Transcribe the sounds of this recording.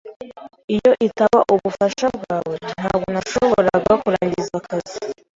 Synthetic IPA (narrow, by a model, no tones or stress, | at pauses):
ijo̞ʔitaβaʔuβufaʃabɡaːwe̞n̥haːb̚ɡonaʃoβoo̞ɾaɡakuɾaːɲɟizakʰazi